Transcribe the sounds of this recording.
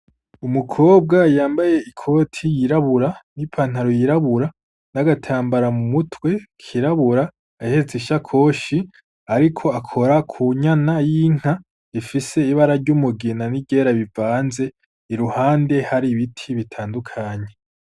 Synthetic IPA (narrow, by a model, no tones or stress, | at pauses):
umukʰo̞ːb̚ɡajaːmbaje̞ikʰo̞ːtʰijiɾaβuɾanipʰaːn̥haɾojiɾaβuɾa | naɡatʰaːmbaɾamumutʰwe̞kʰiɾaβuɾaː | heɾet͡seiʃakʰo̞ːʃi | aɾikʰo̞akʰo̞ɾakʰuɲanajiŋ̥ha | ifise̞iβaɾaɾɟumuɡenanibɟeɾaβivaːnze̞ | iɾuhaːnde̞haɾiβitʰiβitʰaːndukʰaɲe̞